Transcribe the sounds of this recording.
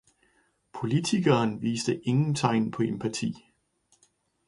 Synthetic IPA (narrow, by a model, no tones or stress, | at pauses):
pʰo̝lit͡sʰiɡ̥ɐːnʋiːsd̥əʔe̝ŋn̩t͡sʰɑ̈ɪnpʰɒ̽e̝mpʰæt͡sʰḭː